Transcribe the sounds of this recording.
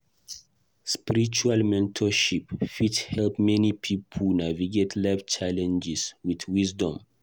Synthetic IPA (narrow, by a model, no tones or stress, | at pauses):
spiɹit͡ʃualmɛ̃ntʰɔʃipfithɛlpmɛnipʰipʰlnaviɡetʰlaft͡ʃalɛ̃nd͡ʒiswiθwizdɔ̃m